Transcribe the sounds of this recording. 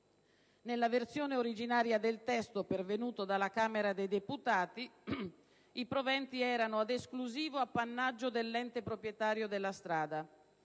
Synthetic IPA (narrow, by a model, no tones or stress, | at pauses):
nelːavert̪sjoːneoɾid͡ʒinaːɾjad̪elt̪ɛst̪opervenuːt̪od̪alakaːmeɾad̪ejd̪eput̪aːt̪i | ipɾovɛnt̪iɛːɾanoad̪eskluziːvoapːanːad͡ʒːod̪elːɛnt̪epɾopɾjɛt̪aːɾjod̪elːast̪ɾaːd̪a